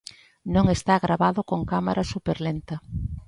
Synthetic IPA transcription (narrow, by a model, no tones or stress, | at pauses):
nõŋest̪aɣɾaβaðʊkoŋkamaɾʔasupeɾlent̪ɐ